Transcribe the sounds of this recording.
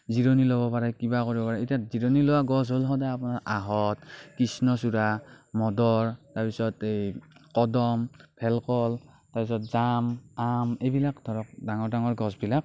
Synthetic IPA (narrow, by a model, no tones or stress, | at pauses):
ziɹonilɔbɔpaɹakibakoɹibɔpaɹaitaziɹonilɔwaɡɔs̬ɦolɦɔdaapunaɹʔaɦɔtkisnɔs̬uɹa | mɔdɔɹtaɹpisɔtejkɔdɔmpʰɛlkɔl | taɹpisɔt̚zamamejbilakdʱɔɹɔk̚daŋɔɹdaŋɔɹɡɔsbilak̚